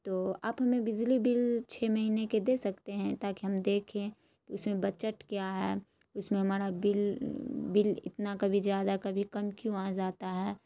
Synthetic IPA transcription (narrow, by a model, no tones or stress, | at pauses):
t̪oːaːpɦɐmẽbɪd͡ʒlibɪlt͡ʃʰeːmɐɦiːneked̪eːsɐkt̪eɦɛ̃t̪aːkiɦɐmd̪eːkʰẽ | kiʊsmẽbɐt͡ʃəʈkjaːɦɛː | ʊsmẽɦɐmaːɾabɪlbɪlɪ̰t̪nakɐbʱizjaːd̪akɐbʱikɐmkjũãːd͡ʒaːt̪aɦɛː